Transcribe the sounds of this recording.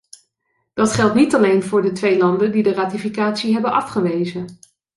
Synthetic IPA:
d̥ɑtχɛlˠtnitɑlejnvʊːɹdətʋejlɑndəndidəraːtifikaːtsiɦɛbənʔɑfχəʋejzə

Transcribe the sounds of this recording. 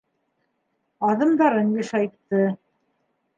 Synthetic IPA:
ɑðɤ̆md̪ɑɾɤnjɘ̆ʃɑjt̪ːɤ

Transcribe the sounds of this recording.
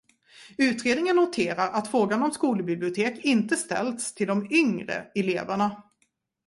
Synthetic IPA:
ʉ̟ːt̪ɾeːd̪nɪŋənːʊt̪ʰeːɾaɾat̪fɾoːɡanɔmskuːləbɪblɪʊt̪ʰeːkɪnt̪əst̪ɛ̰ld̪st̪ʰɪld̪ɔmʏŋɾə̰ɛlḛːvəɳa

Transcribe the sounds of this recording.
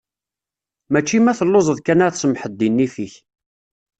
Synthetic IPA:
mæt͡ʃːimæθəlːozˤəðˤkænaɾθsəmħəd̪ːinːifiç

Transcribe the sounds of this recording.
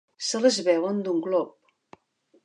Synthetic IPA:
sələzβɛwənd̪uŋɡlɔp̚

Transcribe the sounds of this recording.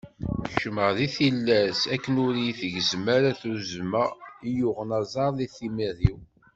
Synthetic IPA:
ʃəməʁðiθilːæsækːənʊɾiθəʝzmæɾæθuzmæijuʁənɑzˤɑɾˤðiθimiðiw

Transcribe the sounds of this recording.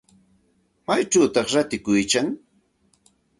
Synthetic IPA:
majt͡ʃawt̪ɑχɾat̪ɪkʊjkaŋ

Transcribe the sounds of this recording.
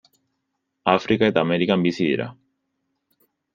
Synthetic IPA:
afɾikae̞t̪aːmeɾikambisiðḭɾa̰

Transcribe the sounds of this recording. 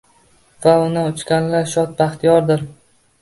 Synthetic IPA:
vaʊnaʊt͡ʃkʲanlaɾʃɒt̪̚baχt̪ʰijɒɾd̪ɪɾ

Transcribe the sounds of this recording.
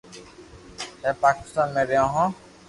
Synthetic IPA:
eːpaːkɪst̪aːnmẽːɾeãːɦãː

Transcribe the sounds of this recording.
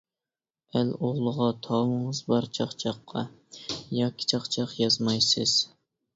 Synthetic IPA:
æloʁlˠəʁɑt̪ʰɑwəɴəzbɑɾt͡ʃʰɑχt͡ʃʰɑqʰːɑ̰ | jɑːkʲʰːi̥t͡ʃʰɑqt͡ʃʰɑqjɑzmɑjsɨz̥

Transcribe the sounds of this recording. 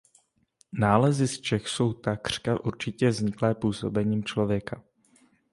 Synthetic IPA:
naːlɛzɪst͡ʃɛxso̞wt̪akr̝̥kaʔuɾt͡ʃɪcɛvzɲɪklɛːpuːso̞̰bɛɲiːmt͡ʃlo̞vjɛka

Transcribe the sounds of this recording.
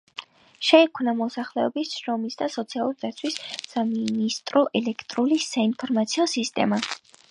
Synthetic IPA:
ʃɛɛkʰmnamɔsaχlɛɔbisʃɾɔmisd̪asɔt̪sʰialˠuɾid̪at̪sʰwissaminist̪ʼɾɔʔɛlɛkʰt̪ʼɾulisainpʰɔɾmat̪sʰiɔsist̪ʼɛ̰ma

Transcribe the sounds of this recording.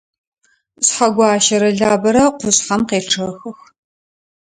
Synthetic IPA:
ɕħaɡʷɑːʃɐɾɐɮaːbɐɾɐqʷʊɕħɐmqeːɬʈ͡ʂʰɐxɨx

